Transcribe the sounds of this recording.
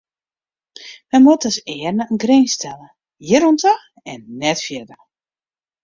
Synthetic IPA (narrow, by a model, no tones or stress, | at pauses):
mɛjmotəsɪːərnəənɡrenstɛlə | jɪɾuntax | ɛnːɛtfjɛdə